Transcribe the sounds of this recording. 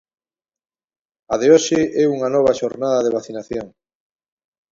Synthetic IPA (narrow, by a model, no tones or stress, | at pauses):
aðeoʃɪɛuŋanɔβ̞aʃoɾnaðaðeβ̞aθinaθjoŋ